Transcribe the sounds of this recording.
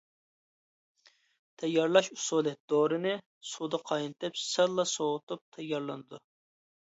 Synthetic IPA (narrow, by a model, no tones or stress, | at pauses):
t̪ʰɛjːɑɾlˠɑʃu̥sulˠɪd̪̥oɾɨnɨ | sud̪ɑqʰɑjnt̪ɨpsɪɾlˠːɑsoʁʊt̪up̚t̪ʰɛjːɑɾlˠɨnɨd̪u